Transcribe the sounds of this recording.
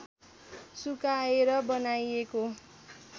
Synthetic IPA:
sukaeɾʌbʌnajeko

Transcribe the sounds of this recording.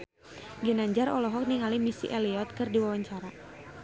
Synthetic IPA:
ɡinaɲd͡ʒarɔlɔɦɔk̚niŋalimisḭʔɛliɔt̪̚kɨrdiwawaɲt͡ʃaɾa

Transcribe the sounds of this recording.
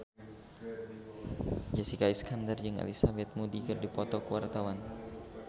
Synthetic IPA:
d͡ʒasikaiskandard͡ʒɨŋa̰lisabɛt̪̚mudikɨrdipɔt̪ɔkəwart̪awan

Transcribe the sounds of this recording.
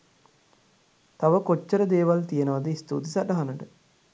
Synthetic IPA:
t̪aʋəkot͡ʃːəɾəd̪eːʋalt̪ijənəʋad̪əist̪ṵːt̪isaʈaɦanəʈə

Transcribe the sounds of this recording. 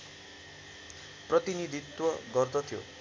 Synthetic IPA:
prʌt̪inid̪ʱit̪wʌɡʌrd̪ʌt̪ʰijo̰

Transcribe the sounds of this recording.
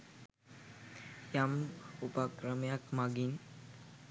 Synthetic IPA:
jamupakɾəmejakmaɡin

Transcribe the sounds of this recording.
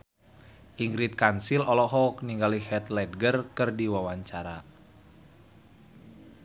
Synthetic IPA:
ʔiŋɡɾit̪̚kansilɔlɔɦɔk̚niŋɡalihɛt̪lɛd̚ɡərkɨrdiwawaɲt͡ʃaɾa

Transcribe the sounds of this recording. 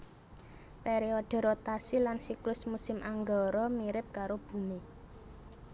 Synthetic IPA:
peɾeoɖ̥ə̤ɾot̪asilansiklʊsmusɪmʔaŋɡɔɾɔmiɾɪp̚kaɾob̥ṳmi

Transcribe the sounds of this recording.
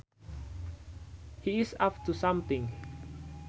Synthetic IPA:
hiɪsapt̪usãmt̪ɪ̃ŋ

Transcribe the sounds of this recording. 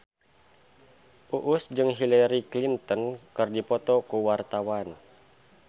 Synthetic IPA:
ʔuʔusd͡ʒɨŋɦilɛɾiklint̪ɔnkɨrdipɔt̪ɔkuwart̪awan

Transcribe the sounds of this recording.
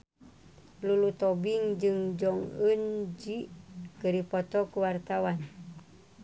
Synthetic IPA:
lulut̪ɔbiŋd͡ʒɨŋd͡ʒɔŋənd͡ʒikəɾipɔt̪ɔkuwart̪awan

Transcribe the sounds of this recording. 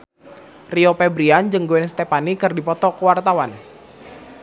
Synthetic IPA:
riopɛbɾiand͡ʒɨŋɡoɛnst̪ɛpanikɨrdipɔt̪ɔkəwart̪awan

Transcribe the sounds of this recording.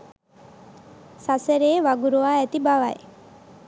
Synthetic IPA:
saseɾeːʋaɡuɾuʋaːæt̪ibaʋa̰j

